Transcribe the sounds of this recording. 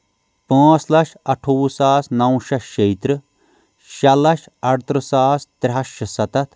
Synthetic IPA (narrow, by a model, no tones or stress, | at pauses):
pãːt͡slɐʃɐʈʰuːsaːsnɐwʃɐʃejt̪ɾɨ | ʃɐlɐʃ | ɐɽt̪ɾɨsaːst̪ɾʲɦɐʃɐsɐt̪ɐt̪ʰ